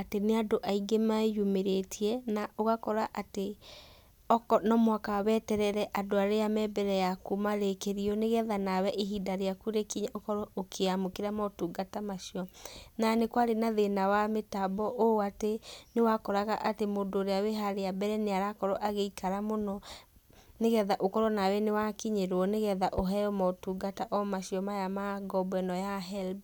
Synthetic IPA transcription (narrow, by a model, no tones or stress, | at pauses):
ateneadoʔaiɡemaejumeɾetʰiɛnaoɣakɔɾaʔate | ɔkɔnɔmwakaβɛtɛɾɛɾɛʔadoaɾeamɛbɛɾɛjakumaɾekeɾiɔneɣɛðanawɛʔeɦidaɾeakuɾekiɲaʔokɔɾɔokʰeamokeɾamɔtuːɡatamaʃiɔnanekwaɾenaðenawametabɔʔoatenewakɔɾaɣaʔatemodoɾeaweɦaɾeabɛɾɛneaɾakɔɾɔʔaɣeikaɾamonɔ | neɣɛðaʔokɔɾɔnawɛnewakiɲeɾwɔneɣɛðaʔoɦɛɔmɔtuːɡataʔɔmaʃiɔmajamaɡɔbɛnɔjaɦɛlb